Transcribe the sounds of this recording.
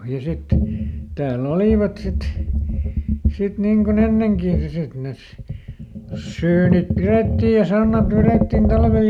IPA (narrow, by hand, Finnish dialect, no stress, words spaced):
jɑ sitːen ni tæːlː oliˑʋɑt sit sit niŋ kon enːeŋkiˑ jɑ sit nes syːnip piretːiːj jɑ sɑnːɑt ʋereˑtːin tɑlʋel